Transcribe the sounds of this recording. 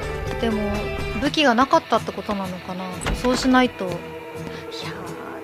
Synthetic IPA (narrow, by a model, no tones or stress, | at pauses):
d̪̥e̞mo̞bɯ̟kʲiɡanakat̪ːat̪ːe̞ko̞t̪o̞nano̞kanaso̞ːɕinait̪o̞ | ça